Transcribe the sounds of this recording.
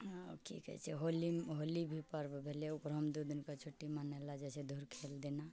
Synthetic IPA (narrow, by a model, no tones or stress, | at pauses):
kʰḭkɛ̰t͡ʃʰɛɦoliɦolibʱipəɾbʱeleuɡɾɔmd̪ud̪inkat͡ʃʰoʈːimanalad͡ʒɛsed̪ʱuɾkʰeld̪ina